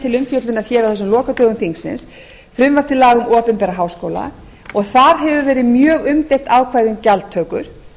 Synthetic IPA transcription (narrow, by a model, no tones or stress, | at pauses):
t̪ʰɪlʏmfjœt̪lʏnaɾ̥çɛːɾawθɛs̬ʏmlɔːkat̪œːɣʏmθiŋsɪ̰ns | fɾʏmvaɾ̥t̪ʰɪlaːɣʏmʔɔːpʏnpɛɾaɦaːwskoːwla̰ | ɔɣθaðɦɛvʏvɛːɾɪmjœːɣʏmt̪ejht̪awkʰvaːjðʏmcalt̪ʰːœːkʏ̰ɾ̥